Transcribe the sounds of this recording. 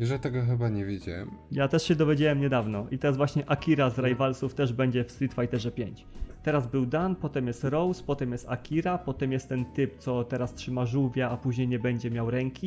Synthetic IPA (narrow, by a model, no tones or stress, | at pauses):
jɛʐɛt̪ɛɡɔxɘbaɲɛvʲjed͡ʑa̰wɛ̰mjat̪ɛʂɕɛd̪ɔvʲjed͡ʑawɛmɲɛd̪avnɔʔit̪ɛɾazvwaɕɲɛʔakʲiɾazɾajvalsuft̪ɛʐbɛɲd͡ʑɛfst̪ɾʲit̪fajt̪ɛʐɛpʲjeɲt͡ɕt̪ɛɾazbɘwd̪anpɔt̪ɛmjɛst̪ɾɔwspɔt̪ɛmjɛst̪akʲiɾapɔt̪ɛmjɛst̪ːɛnt̪ɘp̚t̪sɔt̪ɛɾastʂɘmaʐuwvʲjaːpuʑɲejɲɛbɛɲd͡ʑɛmjawɾɛŋkʲi